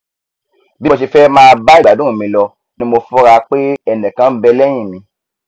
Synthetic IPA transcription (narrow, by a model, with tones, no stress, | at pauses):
bi˦o˧ʃ̬i˧fɛ˦mãː˦˧ba˦i˦˨ɡ͡ba˨dũ˨˦ũ˦˨mĩ˧˦lɔ˧ | nĩ˦mo˧fɔ˦ɾa˧k͡pe˦ɛ˦˨nɛ̃˨kã˨˦bɛ˧lɛ˦j̃ĩ˦˨mĩ˧˦